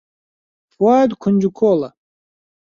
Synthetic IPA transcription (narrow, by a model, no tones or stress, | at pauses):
fwaːd̪kʰunʲd͡ʒukʰoːlɐ